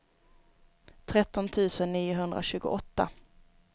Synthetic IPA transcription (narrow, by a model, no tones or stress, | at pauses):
t̪ʰɾɛt̪ːɔnt̪ʰʉ̟ːsənːiːʊɦɵnd̪ɾʔa̰ɕʉ̟ːɡʊ̰ʔɔt̪ːa̰